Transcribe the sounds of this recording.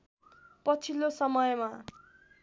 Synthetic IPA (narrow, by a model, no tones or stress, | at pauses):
pʌt͡sʰilːosʌmʌjma